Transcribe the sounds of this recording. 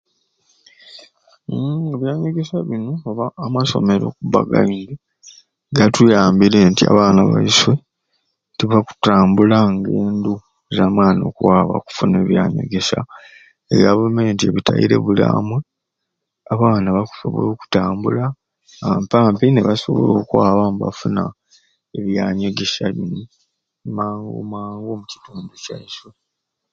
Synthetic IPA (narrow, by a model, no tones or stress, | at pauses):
eβjaːɲeɡesaβinoːβaːmaso̞̰me̞ɾo̞̰kuβa̰ɡa̰iŋɡi | ɡatujaːmbiɾe̞ntia̰βaːnaβa̰iswe̞ | tiβaku̥taːmbulaŋɡeːndu | zaːmwaːnio̞̰kuwaːβa̰ku̥funeːβjaːɲḛɡe̞sa̰ | eβjaβume̞ːntie̞βita̰jḭɾe̞̰βula̰ːmwe | aβaːnaβaku̥soβo̰loːku̥taːmbula | ampaːmpineβaso̞̰βo̞̰lo̞ːkwaːβamba̰funa̰ | eβjaːɲeɡe̞ʃaβini | maːŋɡo̰maːŋɡo̞muci̥tuːnducaiswe